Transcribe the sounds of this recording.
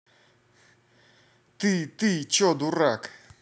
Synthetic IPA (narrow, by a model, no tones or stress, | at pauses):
t̪it̪it͡ʃod̪urak